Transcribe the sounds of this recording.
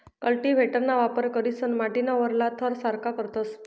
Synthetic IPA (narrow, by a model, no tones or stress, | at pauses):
kəlʈiʋ̤ʱeʈəɾnaʋapəɾkəɾisənmaʈinaʋəɾlat̪ʰəɾsaɾkakəɾt̪əs